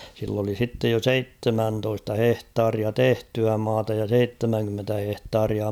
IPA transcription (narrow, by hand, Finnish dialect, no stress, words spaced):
silː oli sitːej jo seitːemæntoistɑ hehtɑːriɑ tehtyæ mɑːtɑ jɑ seitːemæŋkymːentæ hehtɑːriɑ